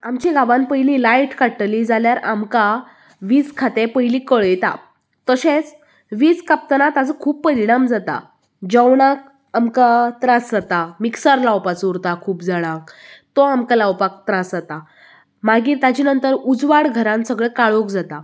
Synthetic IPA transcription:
amt͡ɕiɡaʋãnpəjlilajʈkaʈlid͡zaljaɾamka | ʋiːd͡zkʰat̪epəjliːkəɭjt̪a̰ | t̪əɕet͡s | ʋiːd͡zkap̚t̪ənat̪ad͡zəkʰuːppəɾinamd͡zat̪a̰ | d͡ʑəwɽ̃ak | amkat̪ɾasd͡zat̪amiksaɾlawpat͡suɾt̪akʰuːpd͡zaɽ̃ãk̚t̪ɔamkalawpak̚t̪ɾasd͡zat̪a | maɡiːɾt̪at͡ɕiːnənt̪əɾud͡zʋaɽɡʱəɾãnsəɡɭekaɭokd͡zat̪a

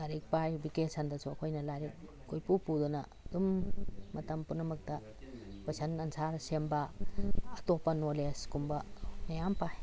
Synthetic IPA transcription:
laɾik̚pajbikesandɐsuɐkʰojnɐlaɾik | ɡojpupudunɐ | dumːɐtɐmpunɐmɐk̚tɐ | pɐsanɐnsʰaɾsembɐː | topːɐnoleskumbɐnɐjampaj

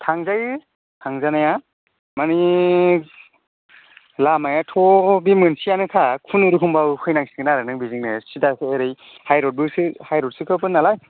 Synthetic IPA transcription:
tʰaŋzajɯ | tʰaŋzanaja | mani | lamajatʰɔbimɯnsijanɯkʰakʰunuɾukʰɯmbawkʰɯjnaŋsi̥kɯnaɾanɯŋbiziŋnɯsidaseɾɯj | hajɾɔt̚bɯsɯhajɾɔt̚sɯkʰɯpɯnːalaj

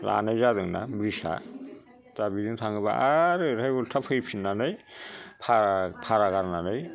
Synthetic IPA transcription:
la̰najzadɯŋna̰bɾisa̰ | tabidɯŋtʰaŋɡɯba̰ʔaɾɯɾʰajɡultʰapʰɯjpʰinːanɯjpʰapʰaɾaɡaɾnanɯj

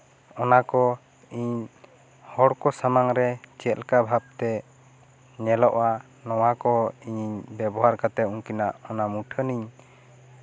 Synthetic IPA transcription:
ɔnakɔ | iɲ | hɔɽkɔsamaŋɾɛt͡ʃɛlkabʱab̚t̪ɛ | ɲɛlɔʔa | nɔwakɔiɲɲbɛbɔɦaɾkat̪ɛuŋkinaʔɔnamuʈʰəniɲ

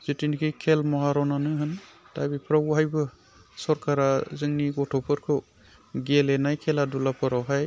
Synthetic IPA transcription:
zɯtinikʰikʰɛlmɔɦaɾɔnanɯɦɯn | tajbipʰɾawɦajbɯ | sɔɾkaɾazɯŋniɡɔtʰɔpʰɯɾkʰɯw | ɡɛlɛnajkʰɛladulapʰɯɾawɦaj

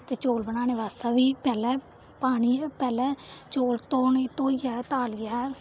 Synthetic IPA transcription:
t̪eːt͡ʃoːlbənaːneːʋaːst̪aːʋiːpɛːlɛː | paːɽiːɛːpɛːlɛːt͡ʃoːlt̪oːneːt̪oːijɛːt̪aːlɪjɛː

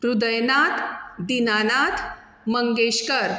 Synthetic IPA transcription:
ɾud̪əjnat̪d̪inanat̪ʰ | məŋɡeɕkəɾ

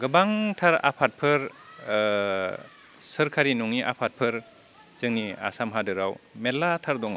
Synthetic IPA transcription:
ɡɯbaŋtʰaɾa̰pʰat̚pʰɯɾ | sɯɾkʰaɾinuŋiʔa̰pʰat̚pʰɯɾ | z̥ɯŋnia̰samɦadɯɾawmelːatʰaɾdɔŋa

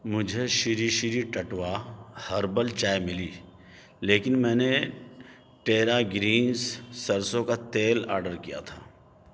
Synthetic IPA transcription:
mʊd͡ʒʱeʃɪɾiʃɪɾiʈɐʈʋahɐɾbəlt͡ʃaːjmɪliː | leːkɪnmɛ̃ːne | ʈeːɾaɡɾiːnsːɐɾsõkat̪eːla̰ːɾɖəɾkija̰t̪ʰa̰ː

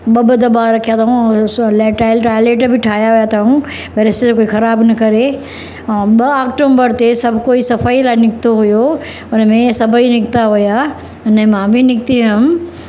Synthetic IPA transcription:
ɓɐbəd̪ɐbaɾɐkʰijat̪ʰaũleːʈaɪlʈaːɪleːʈbʱɪʈʰaːjaɦʊjat̪ʰaũ | peɾesetkoːixɐɾaːbnɐkɐɾe | ɛ̃ːɓɐaːkʈoːmbəɾt̪esɐbʱkoːisɐfaːilaːɪ̃nɪkɪt̪oɦʊjo | ʊnəmẽsɐbʱəinɪkt̪aɦʊja | ʊnəmãːbʱɪnɪk̚t̪iʋʊm

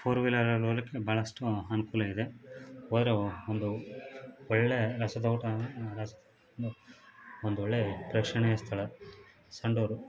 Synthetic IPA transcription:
pʰoːɾʋilɐɾɐlolikːebʱaːɭɐsʈuɐnukuːlɐid̪e̞oːd̪ɐɾeond̪u | ɔɭːejɐɾɐsɐd̪ɐwʈɐɾɐsɐd̪ɐ | nd̪uond̪uɔɭːepɾɐːkʂɐɳɛjɐst̪ʰɐɭɐ | sɐɳɖoːɾu

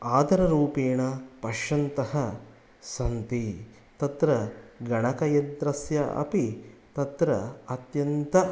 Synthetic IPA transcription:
aːd̪ɐɾɐɾuːpeːɳɐpɐʃɐnt̪ɐhɐ | sɐnt̪i | t̪ɐt̪ɾɐɡɐɳɐkɐjɐnt̪ɾɐsjɐʔɐ̰pit̪ɐt̪ɾɐɐt̪jɐnt̪ɐ

